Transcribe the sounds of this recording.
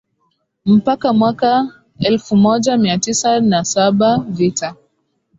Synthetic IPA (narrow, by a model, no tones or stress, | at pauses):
m̩pakamwaka | ɛlfumɔʄamiatisanasaɓavita